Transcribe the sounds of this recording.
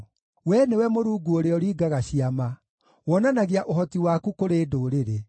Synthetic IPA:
wɛnewɛmoɾuːɡuoɾeɔɾiːɡaɣaɕiama | wɔnanaɣeaʔoɦɔtiwakukoɾeːdoːɾeɾe

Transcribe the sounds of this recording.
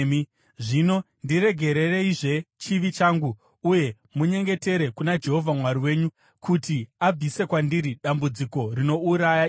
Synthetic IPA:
m | ʐino̞ | ndiɾe̞ɡʱe̞ɾe̞re̞iʐe̞t͡ʃiʋit͡ʃaːŋɡu | uje̞ | muɲe̞ŋɡe̞te̞ɾe̞kunad͡ʒe̞ɦo̞vʱamwaɾiwe̞ːɲu | kutiab͡vʱise̞kwandiɾiɗambud͡ziko̞rino̞uɾaja

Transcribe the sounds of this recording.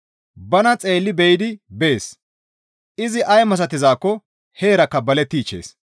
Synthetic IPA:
bɐnɐt͡sʼe̞ːlːɪbɛjɪd̪ɪbeːs | ʔɪzɪʔɐjmɐs̬ɐt̪ːɪzaːkːɔ | he̞ːɾɐkːɐbɐlɛt̪ːiːt͡ʃːe̞̰ːs

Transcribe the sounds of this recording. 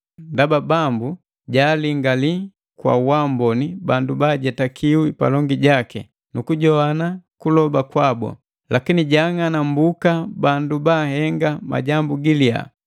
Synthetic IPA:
ndababambu | ɟaːliŋɡali | kwa̰wambɔnibandubaːɟɛtakʰiwipa̰lɔŋɡiɟakɛ̰ | nukuɟɔanakulɔbakwabɔ̰ | lakiniɟaŋanam̩bukabandubahɛŋɡama̰ɟambuɡilia̰

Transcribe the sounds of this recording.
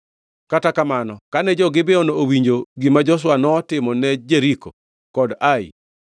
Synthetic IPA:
katakamanɔkanɛd͡ʒɔɡɪbeonoowiɲd͡ʒoɡimad͡ʒɔswanɔtɪmɔnɛd͡ʒeɾiko | kɔdaɪ̰

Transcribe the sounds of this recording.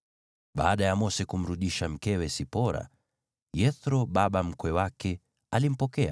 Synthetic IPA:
ɓa̰ːɗajamɔsɛkum̩ɾuɗiʃam̩kɛwɛsipɔɾa̰ | jɛθɾɔɓaɓam̩kwɛwakɛ | alim̩pɔkɛa

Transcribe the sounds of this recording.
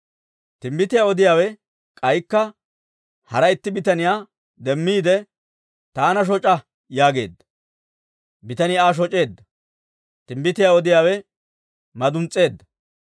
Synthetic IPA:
t̪ɪmbɪt̪ɪjaːɔd̪ɪjaːwɛ | kʼɐjkːɐ | hɐɾɐɪt̪ːɪbɪt̪ɐnɪjaː | d̪ɛmːiːd̪ɛ | t̪aːnɐʃ̬ɔt͡ʃʼɐ | jaːɡe̞̰ːd̪ːɐ̥ | bɪt̪ɐnɪjaːʃ̬ɔt͡ʃʼe̞ːd̪ːɐ | t̪ɪmbɪt̪ɪjaːɔd̪ɪjaːwɛ | mɐd̪ʊnt͡sʼe̞ːd̪ːɐ

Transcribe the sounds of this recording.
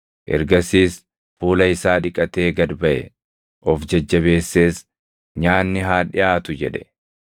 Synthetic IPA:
ʔɛ̰ɾɡɐsiːs | fuːlɐɪsaːᶑɪkʼɐt̪e̞ːɡɐd̪bɐʔɛ̰ | ʔɔfd͡ʒɐd͡ʒːɐβe̞ːsːe̞ːs | ɲaːnːɪɦaːᶑɪʔaːt̪ʊd͡ʒɛᶑɛ̥

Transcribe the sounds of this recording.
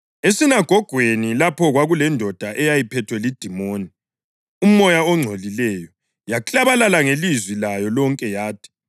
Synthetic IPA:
esinaɡ̥ʱɔɡ̥ʱwenilapʰɔɣwaɣulɛndʱɔd̥ʱaʔɛjajipʰɛtʰwɛlid̥ʱimoːni | um̩ːɔjaɔŋ͡ǀʱolilɛjɔ | jakʼaβalalaŋelizwilajɔlɔŋkʼɛjaːtʰi̥

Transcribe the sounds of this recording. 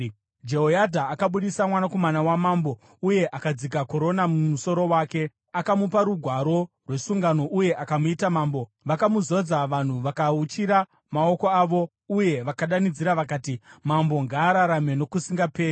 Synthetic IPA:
d͡ʒe̞ɦojadʱaːkaɓuɗisamwanako̞manawamambo̞ | uje̞ʔakad͡zik̬ako̞ɾo̞namumuso̞ɾo̞waːke̞ | akamupaɾuɡʱwaɾo̞ | rwe̞suŋɡano̞ʔuje̞ʔakamuitamaːmbo̞ | ʋakamuzo̞d͡zaʋan̤uʋakaut͡ʃiɾa | mao̞ko̞aːʋo̞ | uje̞ʋakaɗanid͡ziɾaʋakaːtimambo̞ŋɡaːɾaɾame̞no̞kusiŋɡape̞ːi

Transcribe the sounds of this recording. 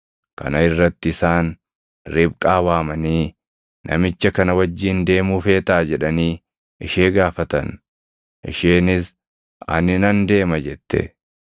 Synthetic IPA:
kɐ̰nɐɪrːɐt̪ːɪɪsaːn | ɾɪbkʼaːwaːmɐniː | nʔɐ̰mɪt͡ʃːɐkɐnɐwɐd͡ʒːiːnd̪e̞ːmuːfe̞ːt̪aːd͡ʒɛᶑɐniː | ɪʃeːɡaːfɐt̪ɐ̰n | ʔɪ̰ʃeːnɪs | ɐ̰nɪnɐnd̪e̞ːmɐd͡ʒɛt̪ːɛ̰

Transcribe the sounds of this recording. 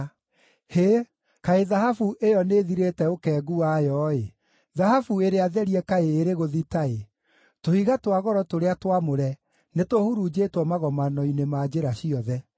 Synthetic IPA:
he | kaeðahafuʔejɔneðiɾetɛokɛːɡuajɔe | ðahafueɾeaðɛɾiɛkaeːɾeɣoðitae | tohiɣatwaɣɔɾɔtoɾeatwamoɾɛ | netohuɾud͡ʑetwɔmaɣɔmanɔinemad͡ʑeɾaɕiɔðɛ

